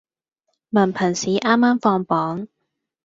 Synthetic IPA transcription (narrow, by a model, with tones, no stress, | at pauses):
mɐ˨˩npʰɐ˨˩nsiː˨˥ʔaː˥mːaː˥mfɔː˧ŋpɔː˨˥ŋ